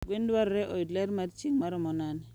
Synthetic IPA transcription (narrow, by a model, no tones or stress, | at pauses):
ɡendwaɾɾɛʔɔidlaɾmaɾt͡ʃiŋmaɾɔmɔnani